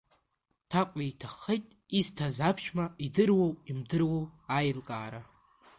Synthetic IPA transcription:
tʰaqʷʼijtʰaχejtʼ | iztʰazapʰʃmaidɨrwowimdɨrwowajlkʼaːɾa

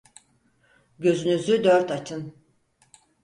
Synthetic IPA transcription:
ɟø̞zynyzyd̪øɾt̪at͡ʃʰɯn

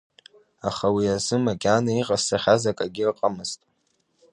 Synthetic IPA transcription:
aχawiazɨmakʲʼanaiqʼasaχʲazakʼaɡʲɪrqʼamɨztʼ

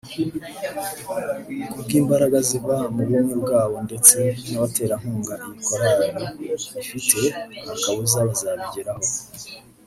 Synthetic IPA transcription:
kubɡiːmbaɾaɡaziβamuɾjonibɡaːβo̞nde̞t͡se̞naβate̞ːɾaŋ̥uːŋɡaʔiβikoɾaɾiβifitʰe̞akaβuzaβazaβiɟiɾaho

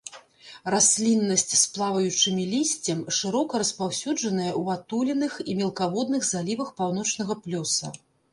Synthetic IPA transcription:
rasʲlʲinːɐsʲt͡sʲsplˠavɐjut͡ʂɨmʲilʲisʲt͡sʲɐmʂɨɾɔkɐɾɐspawsʲud͡ʐɐnɐjɐwat̪ulʲɛnɨximʲɛlˠkavɔd̪nɨɣzalʲivɐxpawn̪ɔt͡ʂnɐɣɐplʲɔsɐ̰

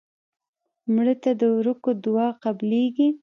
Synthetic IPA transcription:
mɽət̪ad̪əɾʊkod̪ʊwɑqableɡi

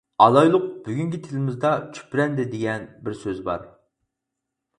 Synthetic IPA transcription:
ɑlˠɑjlˠʊq̚b̥yɡʲyŋɡʲit̪ʰɪlɪmɪzd̪ɑt͡ʃʰy̥pɾɛnd̪ɪd̪eɡʲɛnbɪɾsøzbɑ̰ɾ

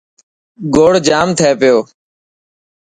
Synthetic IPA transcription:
ɡoːɽ̤d͡ʒaːmt̪ʰeːpɪjoː

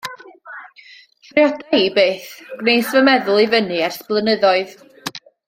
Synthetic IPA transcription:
kʰrjɔdɛjbeːθɡ̥nejsvəmɛðʊlˠivənɨɛrsb̥lˠənəðɔɨð

